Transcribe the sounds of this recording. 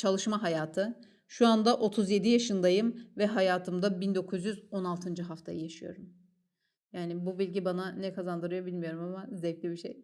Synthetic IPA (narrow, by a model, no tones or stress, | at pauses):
t͡ʃʰalˠɯʃmaɦajaːt̪ʰɯ | ʃuand̪aʔo̞t̪ʰuzje̞d̪ijaʃɯnd̪ajɯmvɛɦajaːt̪ʰɯmd̪abind̪o̞kʰuzjyzo̞nalˠt̪ʰɯnd͡ʒɯɦaft̪ʰa̰jɯjaʃɯjo̞̰ɾum | jaːnibubilʲɟibananɛkʰazand̪ɯɾɯjabilʲmijo̞ɾumamazɛclʲibiʃḛj